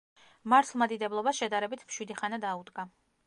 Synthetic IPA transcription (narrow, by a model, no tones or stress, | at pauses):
maɾt̪ʰlˠmad̪id̪ɛblˠɔbasʃɛd̪aɾɛbit̪ʰmʃwid̪iχanad̪aud̪ɡa